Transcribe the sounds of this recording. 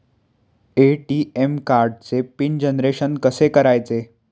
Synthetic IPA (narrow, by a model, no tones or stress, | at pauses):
eʈiemkaɾɖt͡sepind͡ʑenɾeɕənkəsekəɾajt͡se